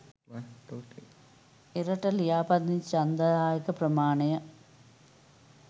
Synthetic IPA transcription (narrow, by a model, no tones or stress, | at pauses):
iɾɐʈːɐljaːpɐt̪nit͡ɕɐnd̪ɐaːjɐkːɐprɐmaːɳɐjɐ